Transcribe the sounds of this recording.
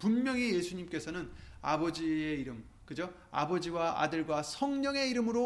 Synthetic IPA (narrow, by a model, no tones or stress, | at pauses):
punmjʌŋije̞sʰuɲimk͈e̞sʰʌnɯna̰bʌd͡ʑie̞iɾɯm | kɯd͡ʑo | a̰bʌd͡ʑiwaa̰dɯɭɡwasʰʌŋɲʌŋe̞iɾɯmɯɾo